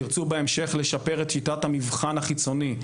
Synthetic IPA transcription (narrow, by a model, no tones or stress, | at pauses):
iʁt͡subeemʃe̞χle̞ʃape̞ʁet̪ʃitathamivχanaχit͡so̞ni